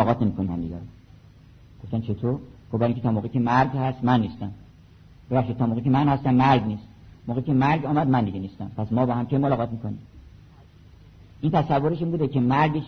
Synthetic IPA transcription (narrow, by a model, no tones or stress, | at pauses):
ɣʁɒːt̪ʰnemiːkʰonimhæ̰md̪ḭɟæɾo | ɡoft̪æmt͡ʃʰe̞t̪ʰoːɾɡ̥obæɾiŋket̪ʰɒːmoːɣekʰemæɾɡhæst̪mænːiːst̪æm | b̥evæχʃid̪̚t̪ɒːmoːɣekʰemænhæst̪æmːæɾɡniːst̪moːɣekʲʰemæɾɡɒːmæd̪mænd̪iɡeniːst̪æmpʰæsmɒːbɒhæmkʲʰejmolɒːʁɒːt̪miːkonim | ʔint̪ʰæsævːoɾeʃinmbuːd̪ekʰemæɾɡeʃ